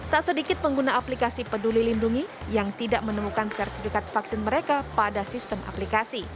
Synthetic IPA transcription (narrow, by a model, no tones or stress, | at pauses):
t̪aʔsədikɪt̪̚məŋɡunaaplikasipədulilinduŋi | jaŋt̪idaʔmənəmukansɛrt̪ifikat̪̚faksɪnməɾekapadasist̪əmʔa̰plikasi